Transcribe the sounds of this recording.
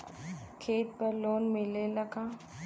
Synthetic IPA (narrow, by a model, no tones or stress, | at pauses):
kʰeːʈ̪̚pəɾloːnmɪlelɐɡaː